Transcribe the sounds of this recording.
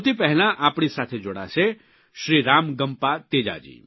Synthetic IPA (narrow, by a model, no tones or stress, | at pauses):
ut̪ipɛɦlãʔaːpɽ̃isaːt̪ʰed͡ʒoɽa̰t͡ʃʰe | ʃɾiɾaːmɡəmpat̪eːd͡ʒa̰d͡ʒḭː